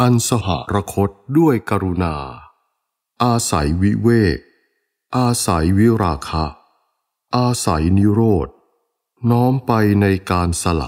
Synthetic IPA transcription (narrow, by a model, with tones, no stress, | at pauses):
ʔa˧nsa˧ɦa̰˩˦ɾa˧kʰo˦˥t̪̚du˥˩əjka˧ɾu˧naː˧ | ʔaː˧sa̰˩˦jwi˦˥weː˥˩k̚ | ʔaː˧sa˩˦jwi˦˥ɾaː˧kʰa˦˥ | ʔaː˧sa̰˩˦jni˦˥ɾoː˥˩t̪̚ | nɔː˦˥mpa˧jna˧jkaː˧nsa˧la̰˨˩